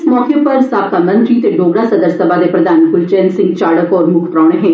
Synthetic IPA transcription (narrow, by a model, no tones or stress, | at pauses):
smɔːkepɐɾsaːb̚kamə̃nt̪ɾit̪eɖoːɡɽasəd̪əɾsəbʱad̪epɾəd̪ʱaːnkʊlt͡ʃɛ̃ːnsɪ̃ŋɡt͡ʃaːɽəkɔːɾmʊkʰt̪ɾaːɽ̃eɦɛ̃ː